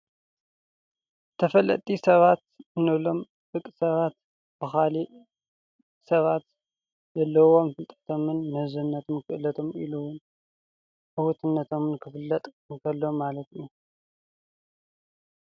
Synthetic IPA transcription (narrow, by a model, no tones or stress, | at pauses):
t̪ʰɐfɐlːɐ̰t̪ʼisɐβat̪ɨnɨβlo̞m | fɨkʼsɐβat̪ | b̥ɨxali | sɐβat̪ | zɐlːɐwomfɨlt̪ʼɐ̥t̪ʰo̞mɨnːɨhɨzunːɐt̪ʰomkʰɨʔɨlɐt̪ʰo̞mḭluwʊn | ʔɨwut̪ʰɨnːɐt̪ʰo̞mɨnkʰɨfɨlːɐt̪ʼɨkʰɐlːo̞mːalɐt̪ju